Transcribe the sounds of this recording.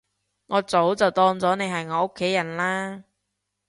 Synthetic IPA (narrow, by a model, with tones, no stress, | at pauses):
ŋɔː˨˧t͡so˨˥wt͡sɐ˨wt̪ɔː˧ŋt͡sɔː˨˥ne˨˧jɦɐ˨jŋɔː˨˧o˥kʰːe˨˥jːɐ˨˩nlaː˥